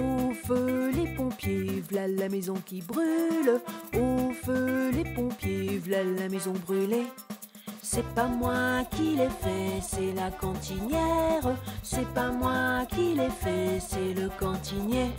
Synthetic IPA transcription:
ofølepɔ̃pjevlalːamɛzɔ̃kʲibʁylofølepɔ̃pjevlalːamɛzɔ̃bʁyle | sɛpamwakʲilɛfɛsɛlakɑ̃t̪injɛʁsɛpamwakilɛfɛsɛləkɑ̃t̪inje

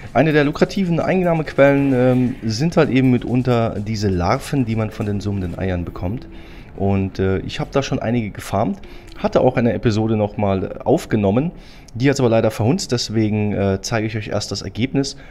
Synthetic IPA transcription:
ʔaɪnədeːɐlʊkʁ̥atʰiːvn̩ʔa̰ɪnnaːməkv̥ɛlənɛːmzɪnthaltʔeːbm̩mɪtʔʊntɐdiːzəla̰ʁfn̩diːmanfɔndeːnzʊməndənʔa̰ɪɐnbəkʰɔmt | ʔʊntɛːʔɪ̰çhaːbəd̥aːʃoːnʔa̰ɪnɪɡəɡəfaɐmthatəʔaʊxʔaɪnəɛpizoːɾənɔχmaːlʔa̰ʊfɡ̥ənɔmən | d̥iːhatʔaːbɐlaɪɾɐfɛɐhʊnt͡std̥ɛsv̥eːɡŋ̩ʔɛːt͡saɪɡəɪçʔɔʏçʔḛːɐstd̥asɛ̰ɐɡeːpnɪs

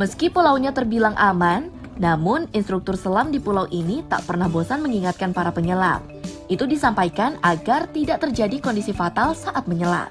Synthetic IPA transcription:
məskipulawɲat̪ərbilaŋʔamanː | amʊninst̪ɾuk̚t̪ʊrsəlamdipulawʔinit̪a̰ʔpərnahbosanməŋiŋat̪̚kanpaɾapəɲəla̰p̚ʔit̪udisampajkanaɡart̪idaʔ̚t̪ərd͡ʒadikɔndisifat̪alsaʔat̪̚məɲəla̰t̚

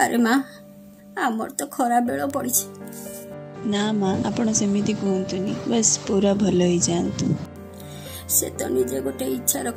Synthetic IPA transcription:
ə̰ɾʔemã | amɔ̰ɾt̪ɔkʰɔɾabeɭɔpɔɽit͡ʃʰe̥ | namãʔapɳ̃ɔsemit̪iɡũnt̪unibəspuɾabʱɔloɦid͡ʒant̪ũ | sḛt̪ɔ̰nid͡ʒeɡoʈeitːʃʰaɾɔk

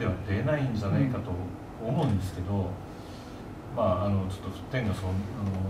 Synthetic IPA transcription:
e̞βad̪e̞naĩɲd͡ʑanaikat̪o̞ː | moɯ̟̃nd̪e̞sɨ̥ke̞d̪o̞ | maːno̞t͡ɕo̞̥t̪ːo̥t̪ẽ̞ŋɡasonano

